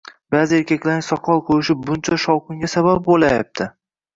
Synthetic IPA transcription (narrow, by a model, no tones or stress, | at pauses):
baːzɪeɾkʲakʲlaɾnɪsɒqʰɒlˠqʰojɪʃɪp̚bʊnt͡ʃʰaʃɒwqʊŋɡʲasabap̚bolajap̚t̪ʰɪ